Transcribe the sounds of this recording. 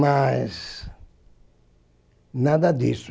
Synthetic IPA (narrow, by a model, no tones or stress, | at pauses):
majs | nad̪ad̪is